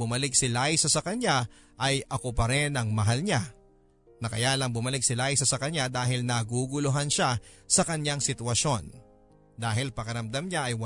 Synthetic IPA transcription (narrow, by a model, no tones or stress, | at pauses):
bʊmɐlɪk̚sɪlaːjsɐsɐkɐɲa | ʔɐjʔɐkopɐɾɛnɐŋmɐɦalɲa | nɐkɐjalɐŋbʊmɐlɪk̚sɪlaːjsɐsɐkɐɲad̪aːɦɪlnɐɡuːɡʊloɦanʃasɐkɐɲaŋsɪt̪wɐʃo̞n | d̪aːɦɪlpɐkɐɾɐmd̪amɲaʔɐjwɐ